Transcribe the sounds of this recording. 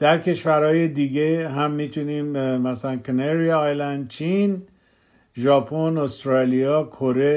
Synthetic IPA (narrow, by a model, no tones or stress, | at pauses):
d̪̥æɾkʰe̞ʃvæɾhɒːjed̪iɡeɦæmːiːt̪ʰuniːmmæsælænkʰeneɾijːjlænd̪̚t͡ʃʰin | ʒɒːpʰonost̪ɾɒlijɒːkʰoɾe̞